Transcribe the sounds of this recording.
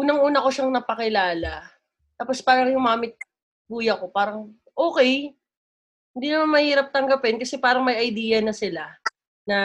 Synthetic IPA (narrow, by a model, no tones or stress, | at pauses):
ʔuːnɐŋʔuːnɐko̞ʃaŋnɐpɐkɪlaːlɐ | t̪aːpo̞spaːɾɐŋjʊŋmaːmɪt̪̚ | buːjɐko̞paːɾɐŋ | ʔo̞ːkɛj | hɪnd̪iːnɐmanmɐhiːɾɐp̚t̪ɐŋɡɐpɛnkɐsɛpaːɾɐŋmɐjʔɐjd̪iːjɐnɐsɪla | nɐ